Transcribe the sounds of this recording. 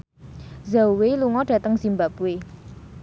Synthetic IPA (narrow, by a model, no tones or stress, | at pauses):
zauweluŋɔdɖ̥ä̤t̪əŋsimbapue